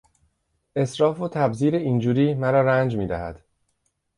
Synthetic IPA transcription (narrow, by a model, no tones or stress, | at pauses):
ʔe̞sɾɒːfot̪ʰæbziːɾeiːnd͡ʒuːɾiːmæɾɒːɾænd͡ʒmiːd̪æhæ̰d̪̥